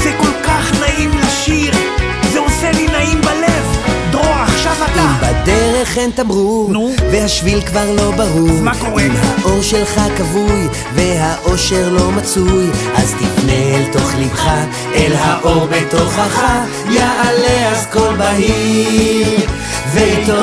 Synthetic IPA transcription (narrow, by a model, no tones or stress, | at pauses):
zɛkolkaχnaimlaʃiʁ | zeoselinaimbalevd̪ʁoaχʃavat̪imbad̪eʁeχent̪amʁunvehaʃvilkvaʁlo̞baʁumakoʁemhaʔo̞ʁʃelχakavuj | veɦaʔo̞ʃeʁlo̞mat͡sujʔazt̪ifnelt̪o̞χlivχa | elɦaʔoʁbet̪oχaχa | jaʔaleaskobahi | veit̪o